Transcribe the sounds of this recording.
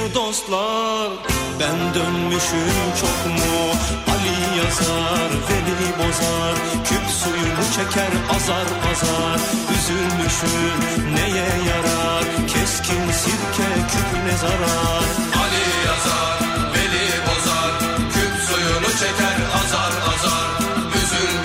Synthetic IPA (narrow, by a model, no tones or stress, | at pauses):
d̪ost̪lˠɑɾbɛnd̪ønmyʃymt͡ʃʰokmuɑlijɑzɑɾvelibozɑ | ɾ | kʲʰypsujunut͡ʃʰɛkʰʲɛɾɑzɑɾbɑzɑ | ɾøzylmyʃym | nɛjɛjɑɾɑ | kʲʰɛskʲʰimsiɾkʲʰɛkʲʰypʰnɛzɑɾɑ | ɾ | ɑli | jɑzɑɾ | veli | bozɑɾ | kʰypsujunut͡ʃʰɛkʲʰɛɾɑzɑɾɑzɑɾyzyl